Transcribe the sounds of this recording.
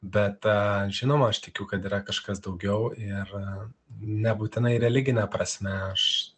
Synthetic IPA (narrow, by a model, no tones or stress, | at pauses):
bʲɛt̪ːʒʲɪnoːmɐɐʃt̪ʲɪkʲukɐt̪iːɾɐkɐʃkɐsd̪ɐʊɡʲɛʊɪr | nʲɛbuːt̪ʲɪnɐɪɾʲɛlʲɪɡʲɪnʲɛpɾɐsʲmʲɛɐʃ